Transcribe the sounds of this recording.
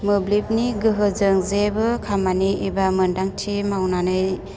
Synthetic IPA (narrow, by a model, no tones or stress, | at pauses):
mɯblip̚niɡɯɦɯzɯŋzebɯkʰamaniibamɯndaŋtʰimawnanɯj